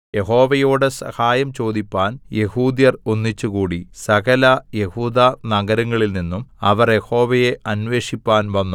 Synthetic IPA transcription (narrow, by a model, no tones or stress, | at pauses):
je̞ɦo̞ːʋɐjoːɽɨsɐ̰haːjɐmt͡ɕo̞ːd̪ipːaːnje̞huːd̪jɐronːit͡ɕːukuːɽisɐɣɐlɐje̞huːd̪aːnɐɡɐɾɐŋːɐɭilninːumɐ̰ʋɐrje̞ho̞ːʋɐje̞ʔɐnʋe̞ːʂipːaːnʋɐnːu